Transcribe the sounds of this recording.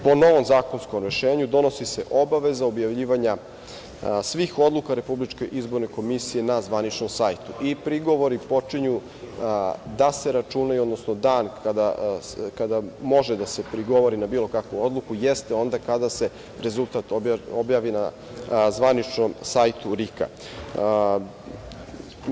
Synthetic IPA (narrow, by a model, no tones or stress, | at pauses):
po̞no̞ʋo̞mzaːko̞nsko̞mɾeʃe̞ːɲud̪o̞no̞sise̞ʔobaʋezaobjaʋʎiːʋaɲa | sʋiːxo̞d̪lˠukaɾe̞publit͡ʃke̞ʔizbo̞ɾne̞ko̞misije̞nazʋanit͡ʃno̞msajt̪uʔipɾiɡo̞ʋo̞ɾipo̞t͡ʂiɲu | d̪ase̞ɾat͡ʃunajuod̪nosnod̪aːnkad̪akad̪amo̞ʒed̪ase̞pɾiɡo̞ʋo̞ɾinabiːlo̞kakʋuo̞d̪lˠukujest̪eo̞nd̪akad̪ase̞ | ɾe̞zult̪at̪oobjaːʋina | zʋanit͡ʃnomsajt̪uɾika̰